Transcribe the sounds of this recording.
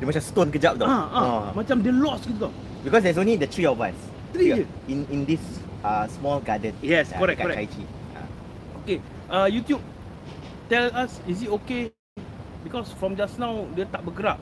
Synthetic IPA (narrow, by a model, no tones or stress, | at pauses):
dɛmat͡ʃãstõnkəd͡ʒap̚doaamat͡ʃãmdelɔsɡituka | bikɔsdɛs̬õnlidət̪ʰɹiɔvãns | t̪ɹi | ĩnĩndisasmɔlɡadət̚jɛskɔɾɛkɔɾɛkajt͡ʃḭa̰ | oke | ʔajut̪jub̚ | t̪ɛlasis̬itoke | bikɔsfɹɔ̃md͡ʒasnãwdət̪ap̚bəɡɾap̚